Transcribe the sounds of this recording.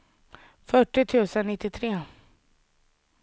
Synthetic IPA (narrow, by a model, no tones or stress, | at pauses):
fœʈːɪt̪ʰʉ̟ːsənːɪt̪ːɪt̪ʰɾeː